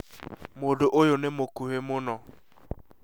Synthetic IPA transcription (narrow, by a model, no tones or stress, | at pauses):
modoʔojʊnɪmokuɦemʊnɔ